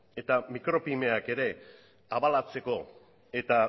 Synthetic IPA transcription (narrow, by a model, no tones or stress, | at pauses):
e̞t̪amikɾo̞pime̞ake̞ɾe̞ | aβalat͡se̞ko̞ | e̞t̪a